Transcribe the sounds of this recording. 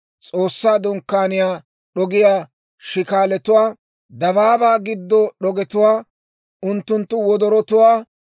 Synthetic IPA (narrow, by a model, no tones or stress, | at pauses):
t͡sʼo̞ːsːaːd̪ɔŋkːaːnɪjaː | ɗɔɡɪjaː | ʃɪkaːlɛt̪ʊwaː | d̪ɐβaːbaːɡɪd̪ːɔɗɔɡɛt̪ʊwaː | ʊnt̪ːʊnt̪ːʊwɔd̪ɔɾɔt̪ʊwaː